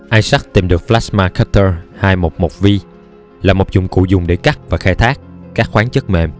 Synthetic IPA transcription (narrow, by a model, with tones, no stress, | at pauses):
ʔaː˧jsa˦˥k̚t̪i˨˩mɗɨ˨˩ək̚flaː˦˥smaː˧kʰa˦˥t̪əː˧haː˧jmo˨˩t̚mo˨˩vi˧ | laː˨˩mo˨˩p̚zʊ̰˨˩ŋ͡mkṵ˧˨˥zʊ˨˩ŋ͡mɗe˧˩ka˦˥k̚vaː˨˩xaː˧jt̪ʰaː˦˥k̚kaː˦˥k̚xwaː˨˦nt͡ɕə˦˥t̚mḛ˧˨˩m